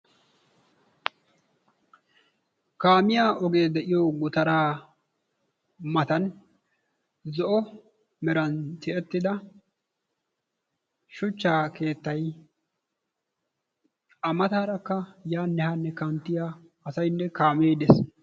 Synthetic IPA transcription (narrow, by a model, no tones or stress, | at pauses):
kaːmɪjaːʔɔɡe̞ːd̪ɛʔɪjɔɡʊt̪ɐɾaː | mɐt̪ɐn | zɔʔɔ | mɛɾɐnt̪ɪʔɛt̪ːɪd̪ɐ | ʃʊt͡ʃːaːke̞ːt̪ːɐj | ɐmɐt̪aːɾɐkːɐjaːnːɛhɐnːɛkɐnt̪ːɪja | ɐsɐjnːɛkaːmeːd̪es